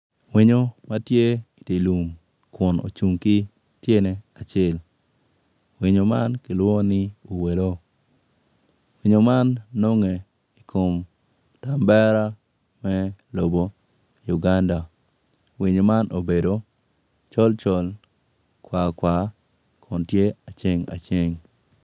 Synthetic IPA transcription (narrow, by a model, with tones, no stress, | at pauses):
wɪ˦ɲo˦ma˦tje˦i˨ti˨lu˨m | kʊ˨no̰˨t͡ʃu˨ŋki˦ | tje˦nɛ˨˦a˨t͡ʃɛ˦˨l | wɪ˨ɲo˨ma˦nkɪ˨lwɔ˦nɪ˦u˨we˨lo˦ | wi˨ɲo˨ma˦nːo˦ŋe˨ | i˨kʰo˨m | ta˨mbɛ˦ɾa˦ | mɛ˦lo˨bo˨ | ju˨ɡa˦nda˨ | wi˨ɲo˨ma˦nʔo˨be˨do˨˦ | t͡ʃɔ˦lt͡ʃɔ˦l | kwa˨kwa˨ | kʰɔ˨ntje˦a˨t͡ʃe˦ŋa̰˨t͡ʃe˦ŋ